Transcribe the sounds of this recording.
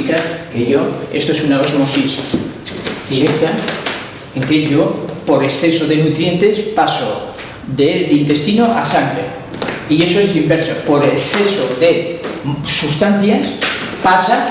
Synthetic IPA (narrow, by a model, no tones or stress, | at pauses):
ikakeʝoḛst̪oesunaɣosomosis | d̪iɾek̚t̪a | eŋkeʝopoɾeksθesoðenut̪ɾje̞nt̪espaso | ðelint̪est̪inoʔasaŋɡɾe | iesoezðimbeɾsopoɾesθesoðe | sust̪an̟θjas | pasa